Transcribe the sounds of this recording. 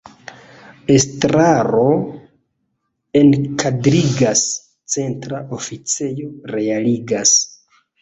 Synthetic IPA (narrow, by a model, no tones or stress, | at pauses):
e̞stɾaɾo̞ | e̞nkʰadɾiɡas | t͡se̞ntɾaʔofit͡se̞joɾe̞aliɡas